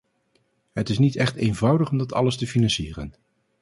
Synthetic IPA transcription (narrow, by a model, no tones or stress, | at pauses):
ɦətɪsnitɛχtejnvʌwdəχɔmdɑtɑ̰ləstəfinɑnsiːrə̰n